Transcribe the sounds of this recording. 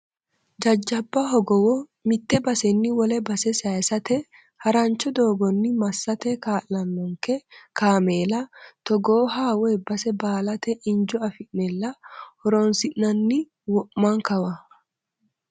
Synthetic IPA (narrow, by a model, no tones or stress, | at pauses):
d͡ʒɐd͡ʒːɐbːɐɦɔɡɔwɔ | mɪt̪ːɛbɐsɛnːɪwɔlɛbɐsɛsajsɐt̪ɛ | hɐɾant͡ʃɔd̪o̞ːɡɔnːɪmɐsːɐt̪ɛkaːlːɐnːɔŋkɛkaːmeːlɐt̪ɔɡoːɦaːweːbɐsɛbaːlɐt̪ɛʔɪnd͡ʒʊɐfɪʔnɛlːɐhɔɾoːnsɪʔnɐnːɪ | wɔʔmaŋkɐwɐ